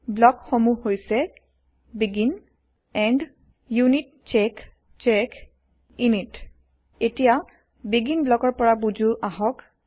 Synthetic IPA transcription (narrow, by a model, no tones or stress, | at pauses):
blɔkxomuhojsɛ | biɡin | ɛnɖ | junit̚ | t͡ʃɛk | t͡ʃɛk | init | etija | biɡinblɔkɔɹpɔɹabud͡ʒuʔaɦɔk